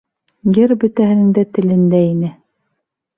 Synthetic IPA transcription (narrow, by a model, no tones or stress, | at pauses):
jɘɾbɵ̆t̪æɦɘ̆nɘ̆ŋd̪æt̪ɘ̆lɘ̆nd̪æinɘ